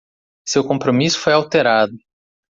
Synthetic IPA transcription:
sewkõmpɾomisʊ̥fojawt̪eɾad̪ʊ

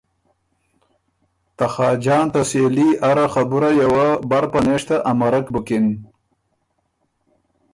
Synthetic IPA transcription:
t̪axɑːd͡ʒɑːnt̪aseliʔaɾaxabuɾajawabaɾpaneʂt̪aʔamaɾakbʊkɪn

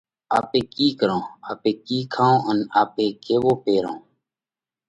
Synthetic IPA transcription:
aːpeːkiːkəɾõːaːpẽːkiːkʰaːõːənaːpẽːkeːʋoːpeːɾõː

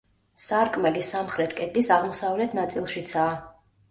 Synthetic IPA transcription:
saɾkʼmɛlisamχɾɛt̪ʰkʼɛt̪ʼisaʁmɔsavlɛt̪ʰnat̪sʼilˠʃit̪sʰaː

